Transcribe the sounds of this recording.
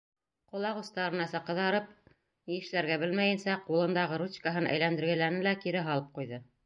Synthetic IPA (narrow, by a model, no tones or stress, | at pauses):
qŏlˠɑʁust̪ɑɾɤ̆nɑsɑqɤ̆ðɑɾɤp̚ | jɘ̆ʃlæɾɡæbɘlmæjɘ̆nsæqulˠɤ̆nd̪ɑʁɤɾut͡ɕkaɦɤnʔæ̰jlænd̪ɘ̆ɾɡæ̆læɾnɘlækiɾɘɦɑlˠɤp̚qujðɤ